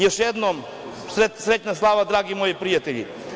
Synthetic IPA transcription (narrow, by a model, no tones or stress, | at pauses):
jeʃjed̪nom | sɾet̪sɾetnaslˠaːʋad̪ɾaːɡimojipɾijat̪eʎḭ